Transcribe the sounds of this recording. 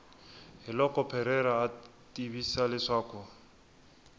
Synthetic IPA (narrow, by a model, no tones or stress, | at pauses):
hɪlɔkʼɔpʰɛɾɛɾaːtʼibisalɪʂaːkʰɔ